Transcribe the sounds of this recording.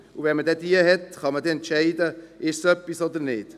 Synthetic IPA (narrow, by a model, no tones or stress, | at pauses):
uvɛnmədɛdiːəɦɛtχɑmədɛɛntʃɛɪdəʔɪʃsœpːisoːdənɪt